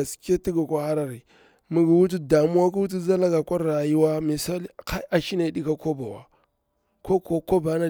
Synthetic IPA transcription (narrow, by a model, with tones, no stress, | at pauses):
a˨ske˦ti˦ɡa˨kʷa˦ha˦ɾa˨ɾi˨ | mi˨ɡi˨wu˦t̬u˦da˨mu˦wa˦ku˦wu˦t̬u˦za˦la˦ɡa˨kʷa˦ɾɾa˨ji˦wa˦mi˨sa˦lka˦a˨ʃi˦ne˨di˦ka˦ko˦ba˨wa̰˨ | ko˦ko˦ko˦ba˨˦na˦